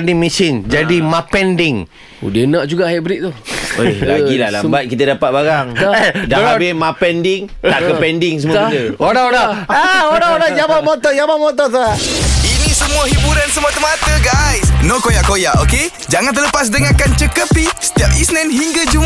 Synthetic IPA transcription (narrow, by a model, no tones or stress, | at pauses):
ndiŋmisind͡ʒadimãpɛndɪŋ | ṵdənãʔd͡ʒuɡaʔhajaʔbəɾiʔt̪uo̰jaɡilala̰mbat̪̚kit̪ədapat̪̚baɾaŋdaabɪmapɛndɪŋ | aʔkəpɛndɪŋs̬əmuat̪əoɾaoɾaəoɾaoɾad͡ʒabamot̪ɔd͡ʒamaʔmot̪̬ɔs̬aainĩsəmũaɦibuɾansəmuat̪əmat̪əɡajsnokojaʔkojaʔoke | d͡ʒaŋant̪ələpas̬dəŋakant͡ʃəkəpisə̥t̪iap̚isnɛ̃nɦiŋɡad͡ʒum